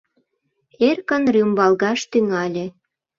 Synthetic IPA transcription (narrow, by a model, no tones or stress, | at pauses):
erkə̆nryumbɑlɣɑʃt̪yŋɑlʲĕ